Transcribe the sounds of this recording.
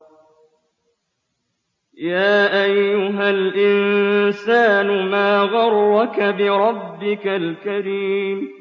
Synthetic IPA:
jaːʔajːʊɦalʔɪnsaːnʊmaːɣɑɾˤːɑkabɪɾˤɑbːɪkalkaɾiːm

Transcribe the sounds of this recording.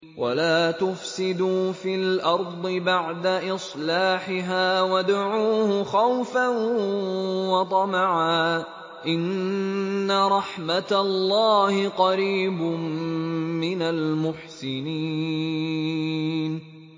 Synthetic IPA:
wʔa̰laːt̪ʊfsɪd̪uːfiːlʔɑɾˤd̪ˤɨbaʕd̪aʔɪsˤlaːħɪɦaːwad̪aʕuːhʊxawfan | wɑt̪ˤɑmɑʕaː | ʔɪnː | aɾˤɑħmat̪alːɑːhɪqɑɾiːbʊmmɪnalmʊħsɪniː | n

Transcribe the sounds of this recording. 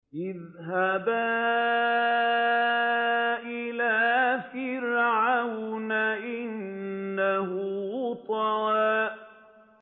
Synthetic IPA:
ʔɪð | ɦaba | ʔɪlaːfɪɾʕawnaʔɪnːahʊt̪ˤɑɾaːʔ

